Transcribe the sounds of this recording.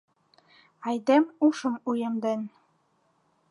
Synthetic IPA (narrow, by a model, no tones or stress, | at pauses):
ɑjd̪emuʃə̆mujɤmd̪en